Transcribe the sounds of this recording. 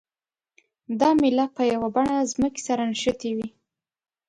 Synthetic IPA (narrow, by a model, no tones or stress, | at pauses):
d̪ɑmɪlat̪̚pəjawabaɳazməke̥saɾanʃət̪ewi